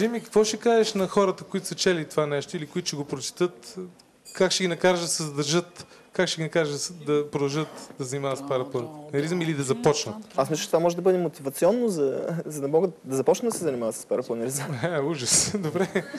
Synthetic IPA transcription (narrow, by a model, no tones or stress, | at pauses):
ʒimikɐ̥kvɔʃɛkaʒɛʃnɐxɔɾət̪əkoit̪ʊ̥sɐt͡ʃɛlit̪ovanɛʃt̪oilikʊit̪ʊ̥ʃɛɡopɾot͡ʃi̥t̪ɤt̪ | kakʃɛɡʲinɐkaɾʒd̪ɐsɛzɐd̪ɐɾʒɤt̪ | kakʃɛɡinɐkaɾʒsd̪ɐpɾod̪ɐlˠʒɤt̪d̪ɐzɐnimavɐt̪spaɾɐpˠənnɐɾizmilid̪ɐzɐpɔt͡ʃnət̪asmisˠət͡ʃɛt̪ovamɔʒɛd̪ɐbɤd̪ɛmot̪ivɐt̪siɔnːozɐzɐnɐmɔɡəd̪ɐzɐpɔt͡ʃnəd̪ɐsɛzɐnimavət̪sə̥spaɾɐplˠənɛɾizɛuʒəsd̪obɾɛ